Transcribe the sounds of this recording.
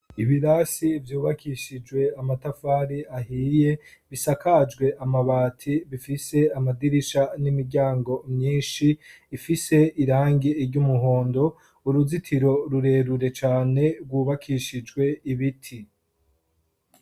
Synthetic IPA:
iβiɾasivjuːβakʰiʃid͡ʒwe̞amatafaːɾiahiːje̞βisakʰad͡ʒɡwe̞ʔamaβaːtʰiβifise̞amadiɾiʃanimiɾɟaːŋɡo̞mɲiːnʃiː | fise̞iɾaːŋɡiiɾɟumuɦoːndo̞ | uɾuzitʰiɾo̞ɾuɾe̞ːɾuɾe̞t͡ʃaːne̞ɡwuːβakʰiʃid͡ʒɡwe̞iβitʰi

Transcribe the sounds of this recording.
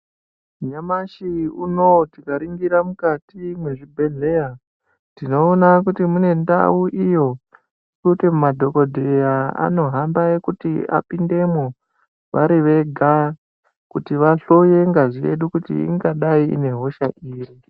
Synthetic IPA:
ɲamaʃiuno̞tikaɾiŋɡiɾamukatimwe̞ʐibʱe̞ɮe̞ja | tino̞ːnakutimune̞nda̰uʔijo̞ | ikutemumadʱo̞ko̞dʱejaa̰no̞ɦambajekutia̰pinde̞mo | ʋaɾiʋe̞ɡʱa | kutiʋaɬoje̞ŋɡaʐiḛɗukutḭḭŋɡaɗaiḭne̞ɦo̞ʃaʔiːri

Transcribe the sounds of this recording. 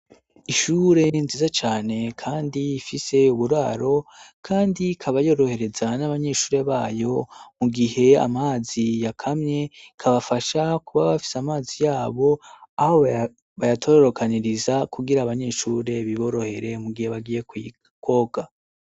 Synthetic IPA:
iʃuɾe̞nziːzat͡ʃaːne̞kʰaːndiːfise̞uβuɾaːɾo̞kʰaːndikʰaβajo̞ɾo̞he̞ɾe̞zanaβaɲe̞ːʃuːɾe̞βaːjo̞muɡihe̞a̰maːzijakʰamɲe̞kʰaβafaʃakuβaβafi̥seamaːzijaːβo̞ahoβ | βajatʰoɾoɾo̞kʰaniɾizakuɡiɾaːβaɲe̞ːʃuɾe̞βiβo̞ɾo̞he̞ɾe̞muɡihe̞βaɡije̞ki | kʰo̞ɡa

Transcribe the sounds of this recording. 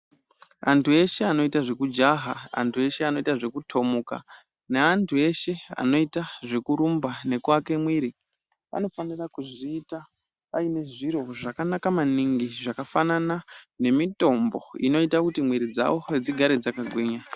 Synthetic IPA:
antue̞ʃe̞ano̞itaʐe̞kud͡ʒaɦaa̰ntʰue̞ʃeano̞itaʐe̞kutʰo̞muka̰ | neantʰue̞ʃe̞a̰no̞itaʐe̞kuɾumbane̞kwake̞mwiɾi | a̰no̞fanirakuʐiːta | aine̞ʐiɾo̞ʐakanakamaniŋɡiʐakafananane̞mito̞mbo̞̰ḭno̞itakutimwiɾid͡za̰wo̞ed͡ziɡʱaɾe̞d͡zakaɡʱwiːɲa

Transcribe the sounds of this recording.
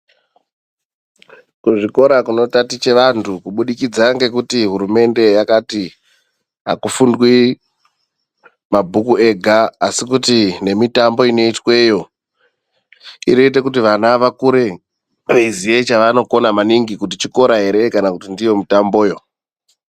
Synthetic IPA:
kuʐiko̞ɾakuno̞tatit͡ʃe̞ʋantʰukuɓuɗikid͡zaŋɡe̞kutiɦuɾume̞nde̞jakati | ɦa̰kufundwi | mabʱukue̞ɡʱaːsikutine̞mitambo̞ino̞itwe̞jo̞ | iɾe̞it̬e̞kut̬iʋanaʋakuɾe̞ | ʋeiziet͡ʃaʋano̞ko̞namaniŋɡikutit͡ʃiko̞ɾaɦe̞ɾe̞kanakutindijo̞mitambo̞ːjo̞

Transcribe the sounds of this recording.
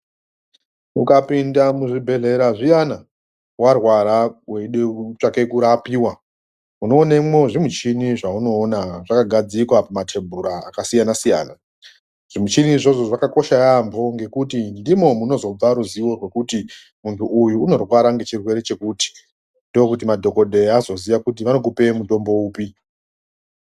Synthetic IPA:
ukapindamuʐibʱe̞ɮe̞ɾaʐijana | warwaɾaweiɗet͡ʃake̞kuɾapiːwa | uno̞ːnemoʐimut͡ʃiniʐauno̞ːnaʐakaɡʱad͡zikwapamatʰembʱuɾa̰ːkasijanasija̰ːna | ʐ̥imut͡ʃiniʐo̞ʐo̞ʐakako̞ʃajambo̞ŋɡe̞kutindimo̞muno̞zo̞b͡vaɾuziwo̞rwe̞kuti | muntʰuʔujuːno̞rwaɾaŋɡet͡ʃirwe̞ɾe̞t͡ʃe̞kuːti̥ | ndo̞jekut̬imadʱo̞ko̞ɗʱe̞azo̞ziʋakut̬iʋano̞k̬upe̞muto̞mbo̞uːpi

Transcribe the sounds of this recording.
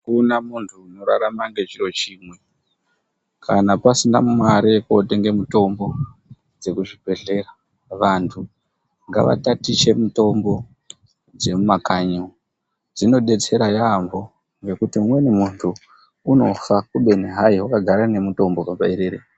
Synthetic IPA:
kunamuntʰuːno̞ɾa̰ɾamaŋɡe̞t͡ʃiro̞t͡ʃiːmwe | kʰanapasinamumwaɾekote̞ŋɡe̞muto̞mbo̞ | d͡ze̞kuʐibʱe̞ɮe̞ra | ʋantʰu | ŋɡa̰ʋa̰tatit͡ʃe̞muto̞mbo̞ | d͡ze̞mumakaɲi | d͡zino̞ɗe̞t͡se̞ɾajambo̞ | ŋɡe̞kutiumwe̞nimuntʰu | uno̞fakuɓe̞neɦaiwakaɡʱaɾane̞muto̞mbokabaiɾeɾe

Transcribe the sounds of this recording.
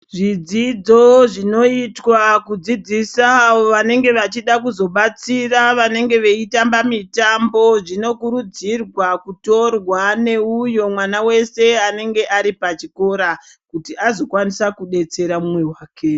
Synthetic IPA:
ʐid͡zid͡zo̞ʐino̞itwakud͡zid͡zisaːoʋane̞ŋɡe̞ʋat͡ʃiɗakuzo̞ɓat͡siraʋane̞ŋɡe̞ʋe̞itambamitambo̞ʐino̞kuɾud͡zirwakuto̞rwane̞ujo̞mwanawe̞se̞ane̞ŋɡe̞ʔaɾipat͡ʃiko̞ɾa | kutiazo̞kwanisakuɗe̞t͡se̞ɾamumwe̞waːke̞

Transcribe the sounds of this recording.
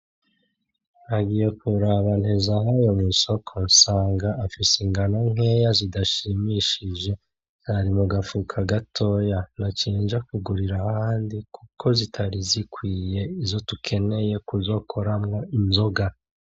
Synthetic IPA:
aɡije̞kuɾaβan̥ezaɦajo̞miso̞kʰo̞nsaːŋɡaʔːfisiŋɡanoŋ̥e̞jazidaʃimiʃiʒe̞ | z̥aɾimuɡafukʰaɡatʰo̞ːjanat͡ʃiːnʒakuɡuɾiɾahhaːndikukʰo̞zitʰaɾizikwiːje̞izo̞tukʰe̞ne̞je̞kuzo̞kʰo̞ɾamŋo̞inzo̞ɡa

